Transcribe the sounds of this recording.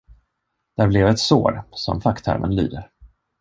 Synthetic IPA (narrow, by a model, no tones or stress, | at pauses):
d̪̥æɾblɛvɛt̪so̰ːɾsɔ̰mfakt̪ʰæ̰ɾmənly̰ːd̪əɾ